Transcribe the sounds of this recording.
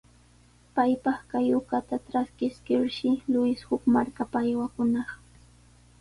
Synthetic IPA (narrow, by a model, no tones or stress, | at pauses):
pajpɑχkajʊkat̪atɾaskɪskɪɾʃɪlʊɪshʊkmaɾkapaːjwakʊnɑχ